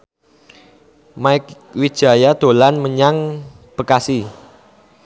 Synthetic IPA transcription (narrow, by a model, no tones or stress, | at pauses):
maɪk | wid̥ʒ̥a̤jad̪̥o̤lanməɲaŋ | b̥ə̤kasi